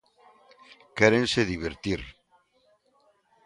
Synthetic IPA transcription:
keɾẽnseðiβ̞eɾt̪iɾ

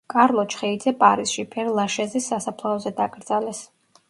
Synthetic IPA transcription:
kʼaɾlˠɔt͡ʃʰχɛid̪zɛpʼaɾisʃipʰɛɾlˠaʃɛzisːasapʰlˠaɔzɛd̪akʼɾd̪zalɛs

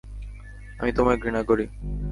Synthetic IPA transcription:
əmiːt̪omeɡʱɾiñaɡoɽiː

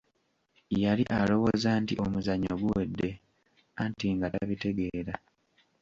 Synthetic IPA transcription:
jaliʔalo̞wozaːntiʔomuzaɲːoɡuwe̞dːe̞ | antiŋɡataβite̞ɡe̞ːɾa

